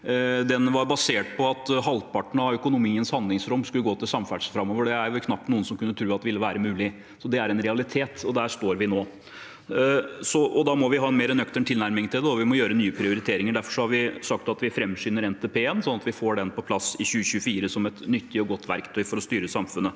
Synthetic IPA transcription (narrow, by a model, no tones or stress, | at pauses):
d̪ɛnʋɑɾbɑseːʈ̚pʰɔɑt̪ɦɑlpɑʈɳ̩ɑœkʊnʊmiːənshɑnd̪lɪŋsɾɔmskʉlːəɡoːt̪ɪlsɑmfæɖʂfɾɑmːoːʋəɖɛæɾj̪kʰnɑpːnuːənsɔmkʰʉnːət̪ʰɾʉːɑt̪d̪ɛʋɪlːəʋæːɾəmʉːlɪ | sɔd̪ɛæɾɛnɾɛɑlɪt̪ʰeːt̪ɔd̪æʂt̪oːɾʋɪnoː | sɔʔɔd̪ɑmɔʋɪɦɑːɛnmeːɾənœkt̪əɳt̪ʰɪlnæɾmɪŋt̪ʰɪld̪ɛɔʋɪmɔjøːɾənyːəpʰɾɪʊɾɪt̪ʰeːɾɪŋəɖ̪æɾfɔʂɔhɑɾʋɪsɑk̚t̪ɑt̪ʋɪfɾɛmːsyːnəɾɛnt̪ʰeːpʰeːɛnsɔnːɑt̪ʋɪfoːɖɛnpʰɔpʰlɑsɪçʉːəɕʉːəfiːɾəsɔmɛt̪nʏt̪ʰːɪɔɡɔt̪ːʋæ̰ɾkt̪ʰœʏfɔɾɔst̪yːɾəsɑmfʉnːə